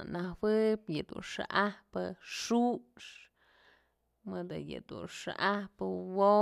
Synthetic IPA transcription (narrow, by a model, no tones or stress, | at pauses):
nahwɨpjɨd̪ṵnʂa̰ʔahpɨʂuʂ | mɨd̪ɨjɨ̰d̪ṵnʂa̰ʔahpɨwo